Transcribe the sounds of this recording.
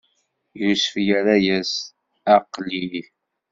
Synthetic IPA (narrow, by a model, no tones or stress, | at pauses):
jusfjæɾæjæs | æqːliθ